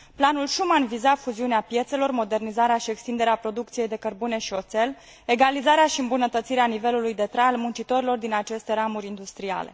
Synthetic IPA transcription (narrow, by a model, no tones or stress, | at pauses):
planulʃumanvizafuziuneapje̞t̪se̞lo̞rmo̞d̪e̞rnizaɾeaʃie̞kst̪ind̪e̞ɾeapɾo̞d̪uk̚t̪sije̞jd̪e̞kərbune̞ʃio̞t̪se̞l | e̞ɡalizaɾeaʃiɨmbunət̪ət̪siɾeanive̞lulujd̪e̞t̪ɾalmunt͡ʃit̪o̞ɾilo̞rd̪inat͡ʃe̞st̪e̞ɾamuɾʲind̪ust̪ɾia̰le̞̰